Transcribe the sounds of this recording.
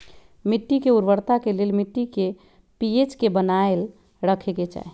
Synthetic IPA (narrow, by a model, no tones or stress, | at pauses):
miʈːikeuɾʋəɾt̪akelelmiʈːike | piet͡ʃkebənael | ɾəkʰeket͡ʃa̰ɦ